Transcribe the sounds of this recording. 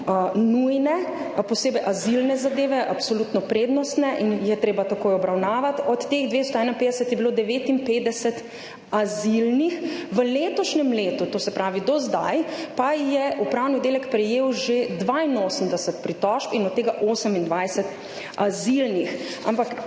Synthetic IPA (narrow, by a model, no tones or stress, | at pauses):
nujnɛ | pɔseːbɛjʔazilnɛzad̪eːʋɛʔapsolut̪nɔpɾeːd̪nɔst̪nɛʔinjɛt̪ɾeːbat̪akoːjɔbɾawnaːʋat̪ɔt̪ːeːɣd̪ʋest̪ɔɛnainpeːd̪ɛsɛt̪jɛbiloːd̪ɛʋeːt̪inpeːd̪ɛsɛt̪ | azilnixʋəleːt̪ɔʃnɛmleːt̪ut̪oːsɛpɾaːʋid̪ɔzd̪ajpajɛʔupɾaːwnid̪eːlɛkpɾɛjeːwʒed̪ʋaːinoːsəmd̪ɛsɛt̪pɾit̪ɔʃpinɔt̪t̪ːeːɡaʔoːsəmind̪ʋajsɛt̪ | azilnixa̰mpak